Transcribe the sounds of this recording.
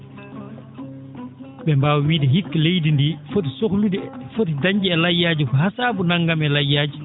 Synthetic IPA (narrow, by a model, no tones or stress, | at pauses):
ɓɛmbaːwwiːdɛɦikːalejdindiːfot̬isokludifot̬idaɲd͡ʒiɛlajːaːd͡ʒukɔɦasaːbunaŋɡamɛlajːaːd͡ʒi